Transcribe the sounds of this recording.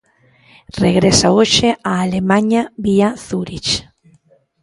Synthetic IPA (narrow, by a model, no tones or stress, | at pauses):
reɣɾesaoʃeaːlemaɲaβiaθuɾit͡ʃ